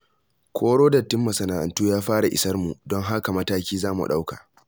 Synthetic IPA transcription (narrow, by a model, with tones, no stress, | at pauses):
kʷʰoː˦ɽoː˦dɐ˨tːɪ˦mːɐ˨sɐ˨naː˨ʔa̰˨ntuː˦jaː˦ɸaː˦ɽa˨ʔɪ̰˨sɐ˦rmṵ˨dɔ˦ŋɦa˦ka˨mɐ˦taː˦kʲiː˦zaː˦mṵ˨ɗa˦wka˨